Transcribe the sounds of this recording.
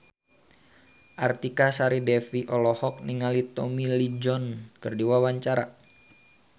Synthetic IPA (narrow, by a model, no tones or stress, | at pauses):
ʔart̪ikasaɾidɛfiʔɔlɔhɔk̚niŋalit̪ɔmilid͡ʒɔnkɨrdiwawaɲt͡ʃaɾa